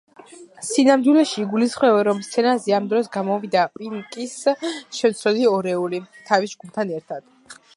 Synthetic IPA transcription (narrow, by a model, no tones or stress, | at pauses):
sinamd̪wilɛʃiɡulisχwɛvɛɾɔmst̪sʰɛnazɛamd̪ɾɔsɡamɔvid̪apʼiŋkʼisʃɛmt̪sʰɾɔliɔɾɛulit̪ʰavisd͡ʒɡumt̪ʰanɛɾt̪ʰad̪̥